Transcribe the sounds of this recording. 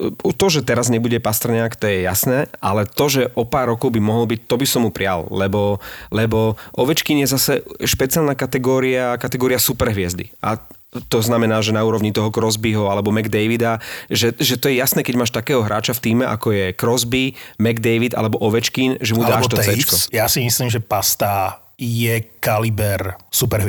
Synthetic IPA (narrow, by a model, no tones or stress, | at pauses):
ut̪ɔʒɛt̪ɛɾazɲɛbuɟɛpast̪rɾɲakt̪ɔjɛja̰snɛːʔalɛt̪ɔʒɛʔɔpaːɾːɔkɔʊbimɔɦɔlbic̚t̪ɔbisɔmːupɾɪa̰llɛbɔlɛbɔʔɔʋɛt͡ʃkinjɛzasɛʃpɛt͡sɪalnakat̪ɛɡɔːɾiakat̪ɛɡɔːɾiasupɛɾɦʋɪɛzd̪ḭʔa̰ | t̪ɔznamɛnaːʒɛnauːɾɔʋɲit̪ɔɦɔkɾɔzbiɦɔalɛbɔmɛɡd̪ɛjʋid̪aʒɛʒɛt̪ɔjɛjasnɛːkɛɟmaːʃt̪akɛːɦɔɦɾʔa̰ːt͡ʃaft̪iːmɛʔa̰kɔjɛkɾɔzbimɛɡd̪ɛjʋid̪a̰lɛbɔʔɔʋɛt͡ʃkinʒɛmud̪aɛːʃt̪ɔɛt͡ʃkɔjasimisliːmʒɛpast̪a | jɛkalibɛɾsupɛɾɦʋ